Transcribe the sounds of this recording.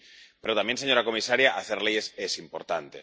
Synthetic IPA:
pe̞ɾot̪amjense̞ɲo̞ɾako̞misaɾjaʔaθe̞ɾleje̞sesimpo̞ɾt̪ant̪e̞

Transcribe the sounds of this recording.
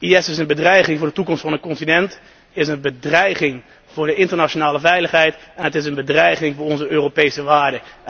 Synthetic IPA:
iɛsɪsənbədrɛjχɪŋvʊːɹdətukɔmstfɑndəkɔntinɛnt | ɪsənbədrɛjχɪŋ | v̥ʊːɹdəɪntəɹnat͡ʃonaːləvɛjləχɦɛjtɛnɦətɪs̬ənbədrɛjχɪŋvʊːɹɔnzəøːropejsəʋaːɹdə

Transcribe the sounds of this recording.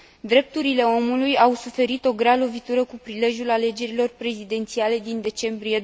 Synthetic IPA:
d̪ɾe̞p̚t̪uɾile̞o̞mulujawsufe̞ɾit̪o̞ɡɾalo̞vit̪uɾəkupɾile̞ʒjulale̞d͡ʒe̞ɾilo̞rpɾe̞zid̪e̞nt̪siale̞d̪ind̪e̞t͡ʃe̞mbɾije̞

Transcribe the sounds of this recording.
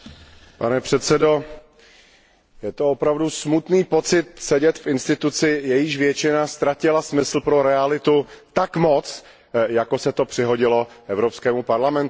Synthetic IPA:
panɛpr̝̥ɛt̪sɛdo̞ | jɛt̪o̞opɾavdusmut̪niːpo̞t͡sɪt̪sɛɟɛt̪fʔɪnst̪ɪt̪ut͡sɪjɛjɪʃvjɛt͡ʃɪnast̪ɾacɪlasmɪsl̩pɾo̞ɾɛalɪt̪ut̪akmo̞t͡s | jako̞sɛt̪o̞pr̥ɪɦo̞ɟɪlo̞ʔɛvɾopskɛːmupaɾlamɛnt̪

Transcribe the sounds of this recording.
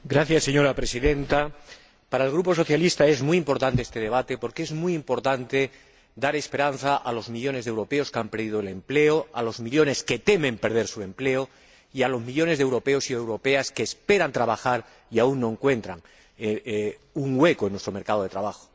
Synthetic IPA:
ɡɾaθjasːe̞ɲo̞ɾapɾe̞siðe̞nt̪a | paɾaelɣ̞ɾupo̞so̞θjalist̪ae̞zmujimpo̞ɾt̪ant̪eest̪e̞ð̞e̞β̞at̪e̞po̞ɾkeezmujimpo̞ɾt̪ant̪e̞ | d̪aɾe̞spe̞ɾan̟θaʔalo̞zmiʎo̞ne̞zðewɾo̞pe̞o̞skeampe̞ɾðið̞oele̞mple̞oalo̞zmiʎo̞ne̞ske̞t̪e̞mẽ̞mpe̞ɾð̞e̞ɾsue̞mple̞o | ialo̞zmiʎo̞ne̞zðewɾo̞pe̞o̞siewɾo̞pe̞askeːspe̞ɾant̪ɾaβ̞axaɾ | iauŋnːo̞eŋkwe̞nt̪ɾaŋ | uŋwe̞koenːwest̪ɾo̞me̞ɾkað̞o̞ð̞e̞t̪ɾaβaxo̥

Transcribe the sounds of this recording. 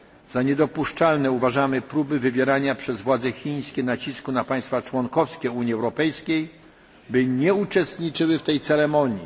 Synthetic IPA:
z̥aɲɛd̪ɔpuʂt͡ʂalnɛuvaʐamɘpɾubɘvɘvʲjɛɾaɲapʂɛzvwad̪zɛxʲij̃skʲɛnat͡ɕiskunapaj̃st̪fat͡ʂwɔŋkɔfskʲɛuɲjiɛwɾɔpɛjskʲej | bɘɲɛut͡ʂɛst̪ɲit͡ʂɘwɘft̪ɛjt̪sɛɾɛmɔɲji

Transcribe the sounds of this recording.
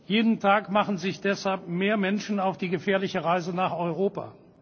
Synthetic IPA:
jeːdn̩tʰaːkmaχn̩zɪçd̥ɛshalpmeːɐmɛnʃn̩aʊfd̥iːɡəfɛːɐlɪçəʁaɪzənaːχɔʏʁoːpa̰ː

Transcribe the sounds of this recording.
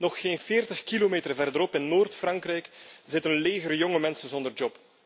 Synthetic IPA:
nɔxxeːnfeːrtəxkilomeːtərvɛrdəɾɔpɪnːoːrtfrɑŋkrɛjkzɪtənleːɣəɾəjɔŋəmɛnsənzɔndərd͡ʒɔp

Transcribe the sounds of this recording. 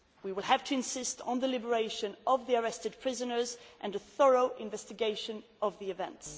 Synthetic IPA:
wiwɪlˠæv̥tʰɨɨ̃nsɪstn̩ðəlɪbə˞eɪʃɨ̃nʌvðiə˞ɛstɨd̚pʰɹ̥ɪzɨnə˞zʔɨ̃nɨθɜɹoʊʔɪ̃ɱvɛstɨɡeɪʃɨ̃n | ʔʌvðiɨvɛ̰̃nts

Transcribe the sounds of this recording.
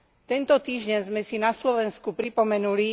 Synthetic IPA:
t̪ɛnt̪ɔt̪iːʒɟɛnzmɛsinaslɔʋɛnskupɾipɔmɛnuli

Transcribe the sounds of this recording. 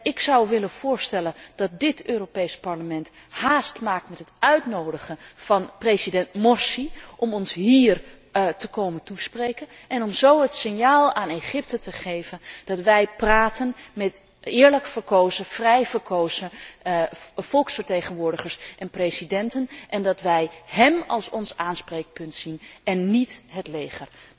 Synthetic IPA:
ɪksɑwʋɪlənv̥ʊːɹstɛlənd̥ɑt̚dɪtøːropejspɑɹləmɛnt | haːstmaːk̚tmɛtɦətœɥtnowdəχənv̥ɑnpresidɛntmɔɹsiʔɔmɔnsɦiːr | təkowməntusprejkən | ɛnɔmzowɦətsɪnjaːlˠaːneχɪp̚tətəχejvənd̥ɑtʋɛjpraːtənmɛt | ɪːɹləkfəɹkowzəfrɛjvəɹkʰowzə | fɔlˠksfəɹtejχənʋʊːɹdəχəɹsʔɛnprejsidɛntənʔɛndɑtʋɛjɦɛmɑ̰lˠsɔnsaːnspreːk̚pɵntsinɛnːitɦətlejχər

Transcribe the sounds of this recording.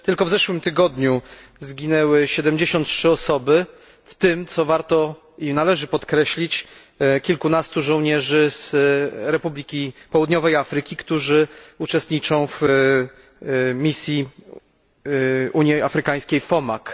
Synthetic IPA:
t̪ɘlkɔvzɛʂwɘmt̪ɘɡɔd̪ɲuzɡʲinɛwɘɕɛd̪ɛmd͡ʑeɕɔnt̪̚tʂɘɔsɔbɘ | ft̪ɘmt̪sɔvaɾt̪ɔ | inalɛʐɘpɔt̪kɾɛɕlʲit͡ɕ | kʲilkunast̪uʐɔ̃w̃ɲɛʐɘz̥ɾɛpublʲikʲipɔwud̪ɲɔvɛjafɾɘkʲikt̪uʐɘut͡ʂɛst̪ɲit͡ʂɔ̃w̃v | mʲisʲji | uɲjiafɾɘkaj̃skʲejfɔmak

